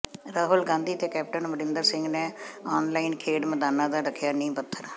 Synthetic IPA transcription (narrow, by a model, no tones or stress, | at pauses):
ɾaːɦʊlɡãːnd̪iːt̪eːkɛːp̚ʈənʋəɾɪ̃nd̪əɾsɪ̃ŋɡneːɔːnlaːiːnkʰeːɖməd̪aːnaːd̪aːɖəkʰjaːnĩːpət̪ʰːəɾ